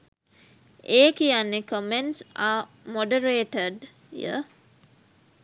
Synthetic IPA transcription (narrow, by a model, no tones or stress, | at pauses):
eːkijanːekomensaːmoɖəɾeːʈəɖ | jə̰